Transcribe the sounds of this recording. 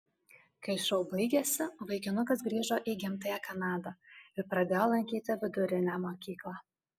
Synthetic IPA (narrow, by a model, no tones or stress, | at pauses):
kɐɪʃɐʊbɐɪɡʲesʲɪʋɐɪkʲɪnʊkɐsɡɾʲiːʒoʔiɡʲɪmt̪ɐjækɐnɑːd̪ɐɪɾpɾɐd̪ʲeːjolˠɐŋʲkʲiːt̪ʲɪʋʲɪd̪ʊɾʲɪnʲæmokʲiːklˠɑ